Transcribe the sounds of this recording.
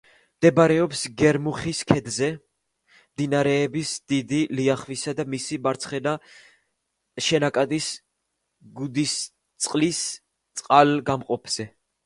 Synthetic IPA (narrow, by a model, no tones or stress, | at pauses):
md̪̥ɛbaɾɛɔpsɡɛɾmuχiskʰɛd̪zɛ | md̪inaɾɛːbisd̪id̪iliaχvisad̪amisibaɾt̪sʰχɛna | ʃɛnakʼad̪is | ɡud̪is | t̪sʼqʼlis | t̪sʼqʼalɡamqʼɔpʰz̥ɛ